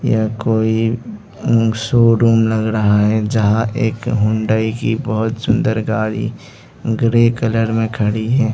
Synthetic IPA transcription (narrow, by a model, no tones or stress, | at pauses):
jakoːi | soːɾuːmlɐɡɾəɦaɦɛd͡ʒɐɦãʔeːkɦʊ̃ɳɖaːikibəɦʊt̪sʊ̃nd̪əɾɡaːɾḭ | ɡɾekələɾmẽkʰɐɽiɦɛː